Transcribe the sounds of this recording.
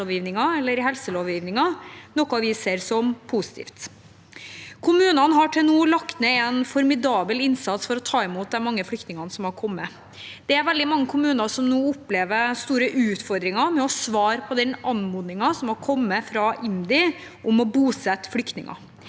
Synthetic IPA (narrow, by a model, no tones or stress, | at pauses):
oːʋjiːʋnɪŋɑɛlːəɾhɛlsəloːʋjiːʋnɪŋɑnɔkːʊɑʋɪseːɾsɔmpʰuːsɪ̥t̪ʰḭːft̪ | kʰʊmʉːnɑnɦɑʈʰɪlnuːlɑkt̪nɛɛnfɔɾmɪd̪ɑːbəlɪnsɑt̪sfɔɾɔt̪ʰɑːɪmuːt̪̚d̪ɛnmɑŋːəflʏkt̪nɪŋɑnəsɔmhɑɾkʰɔmːə | d̪̥ɛæɾʋɛld̪ɪmɑŋːəkʰʊmʉːnɑsɔmnuːʊpːleːʋəɾst̪uːɾəʔʉːt̪fɔɾd̪ɾɪŋɑmɛɔsʋɑːɾpʰɔd̪ɛnʔɑnmuːd̪ɪŋɑsɔmhɑɾkʰɔmːəfɾɑʔɪnd̪ɪʔʊmɔbuːsɛt̪ːflʏkt̪nɪ̰ŋɑ̰